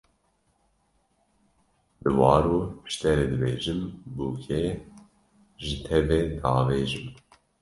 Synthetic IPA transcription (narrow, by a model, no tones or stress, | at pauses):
bɨwɑːɾupɨ̥ʃt̪ɛɾeːd̪ɨbeːʒɨmbuːkʰɛ | ʒɨt̪ʰɛvɛd̪ɑːveːʒɨm